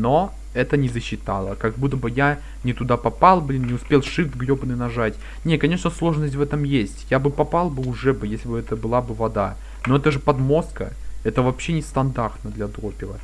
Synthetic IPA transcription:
no | ɛt̪ənʲɪzəɕːɪt̪a̰lˠə̰kɐɡ̚but̪ːəbɨja | nʲɪt̪ʊd̪apɐpalˠblʲinnʲɪʊspʲelˠʂɨvt̪ɡɾʲobnɨnɐʐatʲ | nʲekɐnʲe̞ʂnəslˠo̞ʐnəsʲtʲvɛt̪əmjesʲtʲjabɨpɐpalˠbɨʊʐɛbɨjesʲlʲɪbɨɛt̪əbɨlˠabɨvɐd̪a | no̞ɛt̪əʐɨpɐd̪mo̞skə | ɛt̪əvɐpɕːenʲɪst̪ɐnd̪art̪nəd̪lʲɐd̪ɾopʲɪvə̰

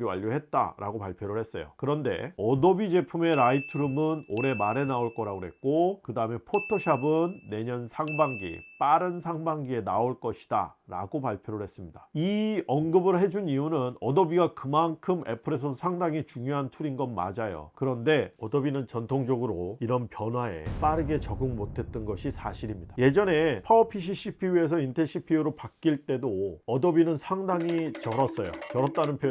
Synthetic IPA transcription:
iwa̰ʎːoɦe̞t̚t͈a̰ɾʔa̰ɡopaɭpʰjoɾɯɭhe̞s͈ʌ̰jo̰kɯɾʌnde̞̰ʌdʌbid͡ʑepʰume̞ɾaitʰɯɾumɯnoɾe̞maɾe̞naoɭk͈ʌɾaɡoɦe̞̰t̚k͈okɯdaɯme̞pʰotʰoɕʰabɯnːe̞ɲʌnsʰaŋbaŋɡḭp͈aɾɯnsʰaŋbaŋɡie̞naoɭk͈ʌɕʰi̥d̥a̰ɾa̰ɡopaɭpʰjoɾɯɭhe̞s͈ɯmɲidaiʌnɡɯbɯɾoɦe̞d͡ʑuniunɯnʌdʌbiɡakɯmankʰɯme̞pʰɯɾe̞s̬ʰʌsʰaŋdaŋit͡ɕuŋjoɦantʰuɾinɡʌnma̰d͡ʑajo̰kɯɾʌnde̞ʌdʌbinɯnt͡ɕʌntʰoŋd͡ʑʌɡɯɾoiɾʌnpjʌnɦwae̞̰p͈aɾɯɡe̞t͡ɕʌɡɯŋmotʰe̞t̚t͈ɯnɡʌɕʰisʰaɕʰiɾimɲid̥ḁje̞d͡ʑʌne̞pʰʌpʰiɕ̬ʰiɕʰipʰiue̞s̬ʰʌintʰeɕʰipʰiuɾopak̚k͈iɭt͈e̞doʌdʌbinɯnsʰaŋdaŋit͡ɕʌɾʌs͈ʌjo̰t͡ɕʌɾʌt͈anɯnpʰjo

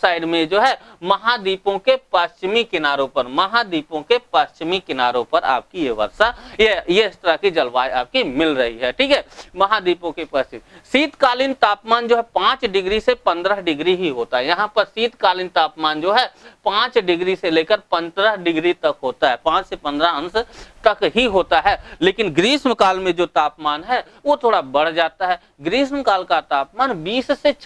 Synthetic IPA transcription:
saːɪɖmẽd͡ʒoːɦɛmɐɦad̪iːpõkepəst͡ʃmikɪnaːɾõpɐɾmɐɦad̪iːpõkepɐst͡ʃmikɪnaːɾõpɐɾa̰ːp̚kijeʋɐ̰ɾsajejeɪst̪əɾəkid͡ʒɐlʋaːjaːp̚kimɪlɾɐɦiɦɛːʈʰiːkɦɛːmɐɦad̪iːpõkepɐst͡ʃɪsiːt̪kaːlint̪aːpmaːnd͡ʒoːɦɛpãːt͡ʃɖɪɡɾisepɐ̃nd̪ɾəɦɖɪɡɾiɦiɦoːt̪aɦɛjɐɦãpəɾsiːt̪kaːlɪnt̪aːpmaːnd͡ʒoːɦɛpãːt͡ʃɖɪɡɾiseleːkəɾpɐ̃nd̪ɾəɦɖɪɡɾit̪ɐkɦoːt̪aɦɛːpãːt͡ʃsepɐ̃nd̪ɾəə̃nst̪ɐkɦiɦoːt̪aɦɛːleːkɪnɡɾiːsməkaːlmẽd͡ʒoːt̪aːpmaːnɦɛ | ʋoːt̪ʰoːɽabɐɽ̤d͡ʒaːt̪aɦɛ | ɡɾiːsmkaːlkat̪aːpmaːnbiːsset͡ʃʰ

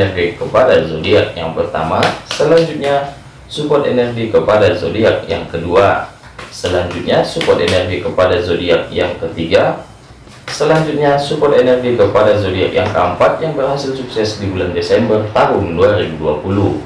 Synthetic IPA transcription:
ɛrɡikəpadazodiak̚jaŋpərt̪a̰masəlaɲd͡ʒut̪̚ɲa | supɔt̪enɛrɡikəpadazodiak̚jaŋkədua | səlaɲd͡ʒut̪̚ɲasupɔt̪enɛrɡikəpadazodiak̚jaŋkət̪iɡa | səlaɲd͡ʒut̪̚ɲasupɔrt̪enɛrɡikəpadazodiak̚ja̰ŋkəəmpat̪̚jaŋbərɦasilsuk̚sɛsdibulandesɛmbərt̪aɦʊŋəduaɾibuduapulu

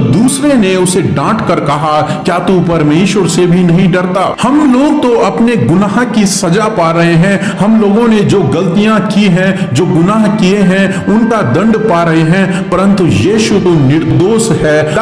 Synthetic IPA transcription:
d̪uːsɾeneʊseɖãːʈkɐɾkɐɦakjaːt̪upɐɾmeːʃwəɾsebʱinɐɦĩɖɐɾt̪aːhɐmloːɡ̚t̪oʔɐpneɡʊnaːɦkisɐd͡ʒapaːɾɐɦeɦɛ̃ | hɐmloːɡõned͡ʒoːɡɐlt̪ijãkiɦɛ̃d͡ʒoːɡʊnaːɦkieɦɛ̃ | ʊnkad̪ɐ̃ɳɖpaːɾɐɦeɦɛ̃ | pɐɾə̃nt̪ujiːʃut̪onɪɾd̪oːsɦɛː

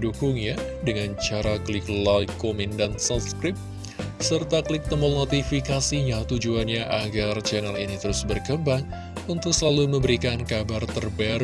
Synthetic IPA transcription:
dukʊŋja | dəŋant͡ʃaɾaklɪklajkːomindansat̪skɾɪp̚ | sərt̪akəlɪk̚t̪əmɔlnot̪ifikasiɲat̪ud͡ʒuanɲaʔaɡart͡ʃɛnalinit̪əɾʊsbərkəmbaŋ | unt̪ʊk̚səlaluməmbəɾikankabart̪ərbaɾ

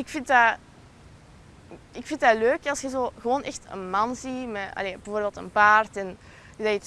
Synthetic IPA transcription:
ɪkfɪnt̚da | ɪkfɪntdaløːkɑlˠsxɛzoːɣəʋoːnʔɛxtə̰nmɑnzimɛʔɑ̰leːbəvoːrbeːlˠtə̰npaːrtɛn | ədaət

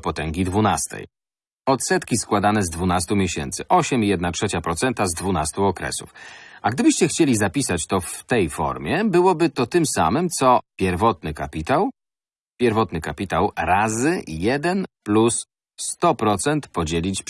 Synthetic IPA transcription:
pɔt̪ɛŋɡʲid̪vunast̪ɛ̰j | ɔt̪sɛt̪kʲiskwad̪anɛzd̪vunast̪umʲjeɕɛ̰nt̪sɘʔɔɕɛmijɛd̪natʂɛt͡ɕapɾɔt̪sɛnt̪azd̪vunast̪uɔkɾɛ̰sṵfaɡd̪ɘbɘɕt͡ɕɛxt͡ɕelʲizapʲisat͡ɕt̪ɔft̪ɛjfɔ̰ɾmʲjɛbɘwɔbɘt̪ɔt̪ɘmsa̰mɘmt̪sɔpʲjɛɾvɔt̪nɘkapʲit̪aw | pʲjɛɾvɔt̪nɘkapʲit̪awɾazɘjɛd̪ɛnplusː | t̪ɔpɾɔt̪sɛnt̪pɔd͡ʑelʲit͡ɕ

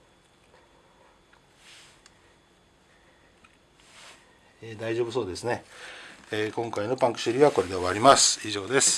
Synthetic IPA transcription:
eːd̪aiʑoːbɯso̞ːd̪e̞sɨne̞ | eːkõ̞ŋkaino̞pãŋkɯ̟̥ɕɯɾʲiβako̞ɾe̞d̪e̞βaɾʲimasɨ̥iʑo̞ːd̪e̞sɨ̥

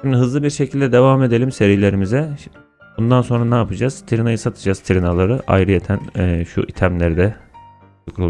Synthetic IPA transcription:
ʃimd̪iɦɯzlˠɯbiɾʃecʰilʲd̪ɛd̪e̞vaːme̞d̪e̞lʲimse̞ɾijlʲe̞ɾimizɛ | bund̪anso̞nɾanaːpʰɯd͡ʒaz̥t̪ʰiɾinajɯsat̪ʰɯd͡ʒaz̥t̪ʰiɾinalˠaɾɯʔa̰jɾɯjet̪ʰænːʃṵʔit̪ʰæmlʲeɾid̪ɛ | ukʰɾu

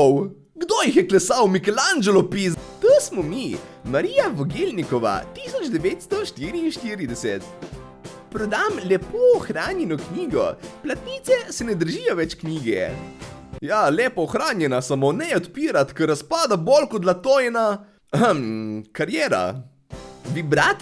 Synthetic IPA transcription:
ɔw | ɡd̪ojixjɛklɛsawmikɛland͡ʒɛlɔpist̪osmɔmimaɾiːjaʋɔɡelnikɔʋa̰t̪isɔd͡ʒd̪ɛʋeːt̪st̪ɔʃt̪iːɾiːnʃt̪iːɾid̪ɛsɛ̰t̪ | pɾɔd̪amlɛpoɔxɾaːnjɛnɔkniːɡɔ̰plat̪nit̪sɛsɛnɛd̪əɾʒijɔʋɛt͡ʃkniːɡɛ̰ | jaleːpɔɔxɾaːnjɛnasamonɛjɛɔt̪piːɾat̪kəɾaspaːd̪abolkɔt̪lat̪ojɛna | kaɾjɛːɾa̰ | ʋibɾaːt̪

